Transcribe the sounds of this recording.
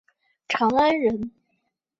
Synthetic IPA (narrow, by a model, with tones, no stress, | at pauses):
ʈ͡ʂʰɑ˧˥ŋa˥nɻə˧˥n